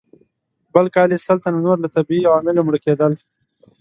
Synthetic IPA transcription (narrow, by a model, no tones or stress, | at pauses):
bəlkɑːlesəlt̪ananoɾlat̪abiiwɑːmɪlomɽəked̪əl